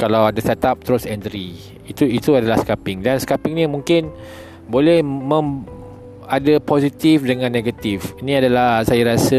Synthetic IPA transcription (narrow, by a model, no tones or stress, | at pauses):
kalawadasat̪ap̚t̪əɾosɛnt̪ɾi | it̪uit̪uadalahskapɪŋdanskapɪŋnimũŋkɪn | bolɛhmə̃m | adaposit̪ifdəŋãnːeɡət̪ifinĩadalahsajaɾasə